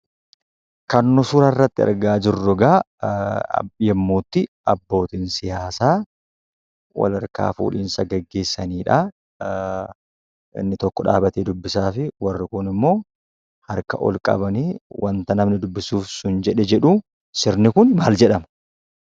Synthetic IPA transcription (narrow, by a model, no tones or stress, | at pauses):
kɐnːɔsʊɾɐrːɐt̪ːɪɐ̰ɾɡaːd͡ʒɪrːɔɡa̰ | jɛmːoːt̪ːɪʔɐbːo̞ːt̪iːnsɪjaːsaː | wɐ̰lɐɾka̰ːfṵːlḭːnsɐɡɐɡːe̞ːsːɐniːᶑɐ | ʔɪ̰nːɪt̪ɔkːɔᶑa̰ːbɐt̪eːd̪ʊbːɪsaːfɪwɐrːɪkʊnɪmːo̞ː | hɐɾkɐ̰ʔɔ̰lkʼɐ̰bɐniːwʔɐnt̪ɐnɐmnɪd̪ʊbːɪsuːfsʊnd͡ʒɛᶑɛd͡ʒɛᶑʊ | sɪɾnɪkʊnmaːld͡ʒɛᶑɐmɐ